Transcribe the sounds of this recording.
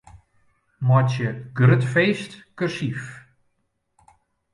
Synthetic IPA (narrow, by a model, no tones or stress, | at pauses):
mɔtəɡrøtfeːstkərsif